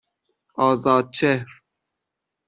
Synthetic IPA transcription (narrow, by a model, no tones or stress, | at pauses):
ɑːzɑːd̪̚t͡ʃʰehɾ